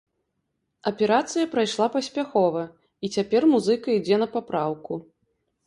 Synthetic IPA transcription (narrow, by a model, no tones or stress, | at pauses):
ɐpʲɛɾat̪sɨjɐpɾajʂlˠapɐsʲpʲaxɔvɐ | it͡sʲapʲɛrmuzɨkɐid͡zʲɛnɐpapɾawku